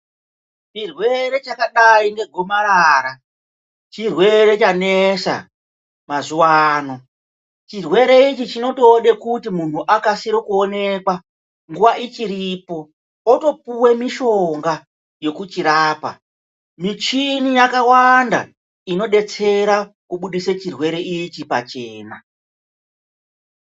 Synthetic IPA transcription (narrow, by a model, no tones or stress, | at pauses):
t͡ʃirwe̞ɾe̞t͡ʃakaɗainde̞ɡʱo̞maɾaːɾa | t͡ʃirwe̞ɾe̞t͡ʃanesa̰ | mazuwaːno̞ | t͡ʃirwe̞ɾe̞it͡ʃit͡ʃino̞toːɗe̞kutimun̤uʔakasiɾokuone̞kwa | ŋɡuʋaʔit͡ʃiɾipo̞ | oto̞puwe̞miʃo̞ŋɡa | jo̞kut͡ʃiɾaːpa̰ | mit͡ʃinijakawanda̰ | ino̞ɗe̞t͡se̞ɾakuɓuɗiset͡ʃirwe̞ɾe̞it͡ʃipat͡ʃe̞ːna̰